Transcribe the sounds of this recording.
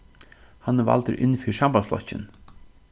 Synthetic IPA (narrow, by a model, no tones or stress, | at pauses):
hanːva̰lt̪əɾʔɪ̰nːfiːɾsampaflɔ̰t͡ɕːɪ̰n